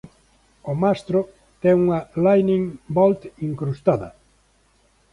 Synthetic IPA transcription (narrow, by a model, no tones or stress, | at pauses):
omast̪ɾʊ | t̪ɛŋuŋɐlajnĩŋbɔlt̪iŋkɾust̪aðɐ̰